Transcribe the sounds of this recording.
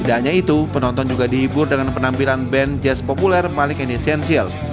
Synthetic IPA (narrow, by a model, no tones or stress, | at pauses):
daɲait̪upənɔnt̪ɔnd͡ʒuɡadihibʊrdəŋanpənampilanbɛnd͡ʒɛspopulɛrmalɪŋɛnisiɛnsiəls